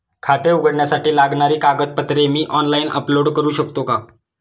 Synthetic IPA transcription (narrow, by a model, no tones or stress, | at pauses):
kʰat̪euɡəɽɳjasaʈiːlaɡɳaɾiːkaɡət̪̚pət̪ɾemiːʔɔnlainə̰ploɽkəɾuːɕəkt̪oka